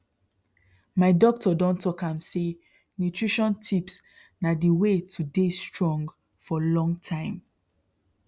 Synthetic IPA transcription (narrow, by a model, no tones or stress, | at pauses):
maɪdɔk̚tɔdɔ̃ntʰɔkãmse | nutʰɹiʃɔ̃ntʰips | nadiwetʰudestɹɔ̃ŋɡ | fɔlɔ̃ŋɡtʰãɪ̃m